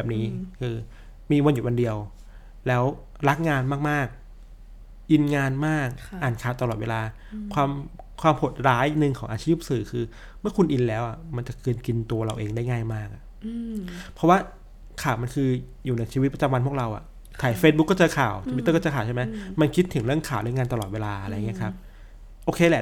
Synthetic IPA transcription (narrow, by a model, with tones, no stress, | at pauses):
bɛː˨˩p̚niː˦˥kʰɯː˧ | miː˧wa˧nju˨˩wa˧ndi˧əw | lɛː˦˥w | ɾa˦˥k̚ŋaː˧nmaː˥˩k̚maː˥˩k̚ | ʔi˧nŋaː˧nmaː˥˩k̚ʔaː˨˩nkʰaː˨˩t̪a˧lɔː˨˩wḛː˧laː˧ | kʰwaː˧mkʰwaː˧mhʰo˨˩t̪̚ɾaː˦˥jnɯ˧ŋkʰɔː˩˦ŋʔaː˧t͡ɕʰiː˥˩p̚sɯː˨˩˦kʰɯː˧ | mɯ˥ɐkʰu˧nʔi˧nlɛː˦˥wʔa˨˩ma˧nt͡ɕa˨˩kɯː˧nki˧nt̪u˧ɐɾa˧wʔeː˧ŋdaː˥˩jŋaː˥˩jmaː˥˩k̚ʔa˨˩ | pʰɾɔ˦˥waː˥˩ | kʰaː˨˩wma˧nkʰɯː˧ | juː˨˩na˧jt͡ɕʰiː˧w̪̚pa˧˩t͡ɕa˧mwa˧npʰu˥˩əkɾa˧wʔa̰˨˩ | t̪ʰaː˨˩jfeː˧˦t̪̚bu˦˥kːɔː˥˩t͡ɕɤː˧kʰaː˨˩wt̪ʰu˧i˦t̪ːɤː˥˩kːɔː˥˩t͡ɕːkʰaː˨˩wt͡ɕʰa˥˩ma˦˥jma˧nkʰi˦˥t̪ʰːɯ˩˦ŋɾɯ˥˩əŋkʰaː˨˩wɾa˦˥˩ŋaː˧nt̪a˧lɔː˨˩weː˧laː˧ʔa˧ɾa˧ja˨˩ŋi˦˥kʰa˦˥p̚ | ʔoː˧kʰeː˧lɛ˨˩